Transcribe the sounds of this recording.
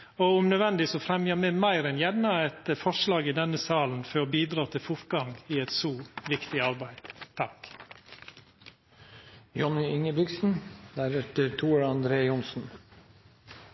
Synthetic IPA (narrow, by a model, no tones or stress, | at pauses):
oʊmnœd̪ʋɛnd̪ɪsɔfɾɛmjəmɛmæɪɾɛnjɛnnːɑɛt̪əfɔʂlɑːɡɪd̪ɛnəsɑːln̩føbiːd̪ɾɑːt̪ʰɪlfʊɾɡɑŋɪɛt̪suːʋɪkt̪ɪɑɾbæɪd̪̥t̪ʰɑk | jɔnɪɪŋəbɪɡsn̩d̪̥æɾɛt̪əɾt̪ʰuːəɾɑnd̪ɾeːjʊnsn̩